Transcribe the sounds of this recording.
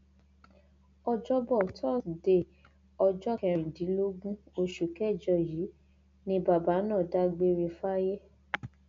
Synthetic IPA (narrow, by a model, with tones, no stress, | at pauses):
ɔ˧d͡ʒɔ˦bɔ˦˨tʰɔ˦˨de˨ | ɔ˧d͡ʒɔ˦kɛ̃˧˨ɾĩ˨dĩ˨˦lo˦ɡũ˦o˧ʃu˨kɛ˦˨d͡ʒɔ˦˨ji˨˦ | nĩ˧ba˨ba˨˦nã˦˨da˦ɡ͡be˧ɾe˧fa˦je˦